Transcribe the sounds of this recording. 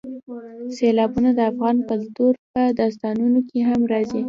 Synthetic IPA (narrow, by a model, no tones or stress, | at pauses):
selɑbunad̪əafɣɑnkalt̪oɾpəd̪ɑs̬t̪ɑnunokeɦamɾɑzi